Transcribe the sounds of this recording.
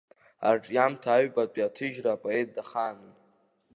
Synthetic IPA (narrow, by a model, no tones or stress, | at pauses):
a̰rʈ͡ʂʼjamtʰaːɥbat͡pʷʼiatʰɨʒraːpʼoe̞t̚ʰʼdaχaːnɨn